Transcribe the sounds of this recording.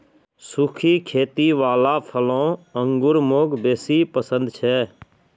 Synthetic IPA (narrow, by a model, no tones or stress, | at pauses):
sukʰiːkʰeːt̪iːʋaːlaːpʰəlõːəŋɡʊɾmoːɡbeːsiːpəsə̃nd̪t͡ʃʰɛː